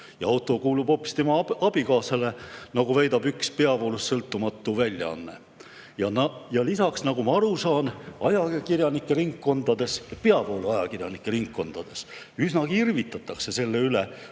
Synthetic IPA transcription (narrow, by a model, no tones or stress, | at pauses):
jɑɑwt̪ːˑo̞kuːlub̥o̞ːpːˑi̥st̪e̞mɑɑb̥ikɑːsɑle̞nɑɡuvæjd̪ɑb̥ykspe̞ɑpowlusːɤlt̪ˑːumɑt̪ːˑuvælʲjɑ̰ɑ̰nːe̞̰ | jɑnjɑlisɑksnɑɡ̥umɑɑɾusɑːnɑjɑkirjɑnikːe̞riŋkːo̞nd̪̥ɑd̪̥e̞sjɑpeɑpowluɑjɑkirjɑnikːˑe̞riŋkːo̞nd̪̥ɑd̪̥e̞s | ysnɑkirvit̪ːˑɑt̪ːˑɑkse̞se̞lːe̞yle